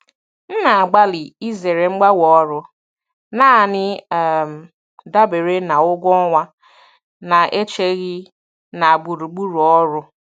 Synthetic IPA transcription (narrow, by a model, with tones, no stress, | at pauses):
n̩˦na˨a˨ɡ͡ba˦lɪ˨i˦ze˨ɾe˨ŋ͡m̩˦ɡ͡ba˦wɔ˨ɔ˦ɾʊ˦ | naː˦˨nɪ˦˨m̩˨ | da˦be˨ɾe˦na˨ʊ˦ɡʷɔ˦ŋʷa˦ | na˨ʔe˦t͡ʃe˦ɣɪ˦ | na˨a˨ɡ͡bu˨ɾu˨ɡ͡bu˦ɾu˨ɔ˦ɾʊ˦